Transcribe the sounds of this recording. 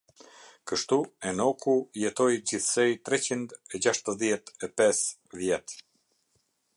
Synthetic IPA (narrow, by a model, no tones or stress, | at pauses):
kəʃt̪uɛnɔkujɛt̪ɔjd͡ʑiθsɛjt̪ɾɛt͡ɕind̪ɛd͡ʑaʃt̪əðjɛt̪ɛpɛs | vjɛt̪